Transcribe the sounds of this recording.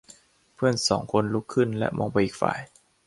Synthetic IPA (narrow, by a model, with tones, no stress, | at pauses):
pʰɯ˥˩ənsɔː˩˦ŋkʰo˧nlu˦˥kʰːɯ˥˩nlɛ̰˦˥ʔmʔɔː˧ŋpa˧jʔiː˨˩k̚fa̰ː˨˩j